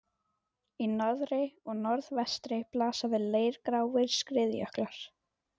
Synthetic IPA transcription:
inɔðɾɪɔɣnɔɾðvɛst̪ɾɪplaːsavɪðleːjɾkɾaːwɪɾ̥skɾɪðjœ̰hklaɾ̥

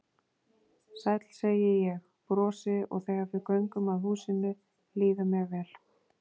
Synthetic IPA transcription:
sajt̪l̥seːjɪjɛx | pɾɔːsɪɔ̰ɣθɛːɣaɾvɪɾkœɥŋkʏmaðhuːsɪnːʏ | liːðʏmjɛɣvɛːl

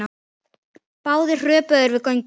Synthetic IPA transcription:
a | paːwðɪ̥r̥œːpaðʏɾvɪðkɔɥɲ

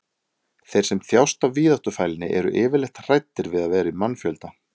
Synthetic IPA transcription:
θejɾ̥sɛmθjawst̪avviːðaht̪ʏfaːjlɪnːɪ̰ʔɛɾʏ̰ʔɪːvɪɾlɛxt̪r̥ajt̪ːɪɾvɪðaðvɛːɾɪimanfjœlt̪a

